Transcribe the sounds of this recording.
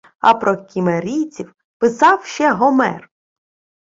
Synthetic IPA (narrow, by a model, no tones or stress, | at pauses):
ɐ̰pɾɔkʲimeɾʲijt͡sʲiw | pɪsɑwʃt͡ʃɛɦɔmɛ̰r